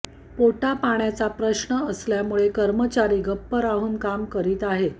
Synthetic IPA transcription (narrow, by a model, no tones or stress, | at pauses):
poʈapaɳjat͡sapɾəɕɳəəsljamuɭekəɾmət͡ɕaɾiːɡʱəpːəɾaɦuːnkamkəɾiːt̪aɦe